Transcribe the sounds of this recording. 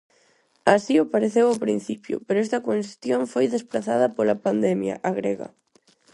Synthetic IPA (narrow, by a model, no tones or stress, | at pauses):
asiʊpaɾeθewapɾin̟θipjʊ̰peɾʊɛst̪ɐkenst̪joɱfojðespɾaθaðɐpolɐpand̪ɛmjɐ̰ʔaɣɾeɣɐ̰